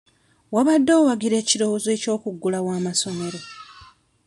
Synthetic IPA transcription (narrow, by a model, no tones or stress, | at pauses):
waβadːo̞ːwaɡiɾe̞ːciɾo̞woze̞ːco̞ːkuɡːulawaːmaso̞me̞ɾo̞